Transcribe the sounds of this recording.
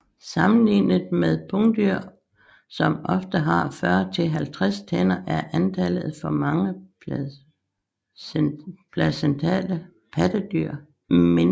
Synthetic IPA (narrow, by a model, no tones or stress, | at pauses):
sɑ̈mn̩lḭnð̩ˠmeð̞ˠpʰɔŋd̥yɐ̰ | sɒ̽mʔɒ̽fd̥əɦɑ̈fɶɐt͡sʰe̝lɦælt͡sʰʁast͡sʰenɐʔæɐʔænt͡sʰælð̞̩ˠfɒ̽mɑ̈ŋə | pʰlæsent͡sʰɛ̰ːlə | pʰæd̥əd̥yɐ̰ | men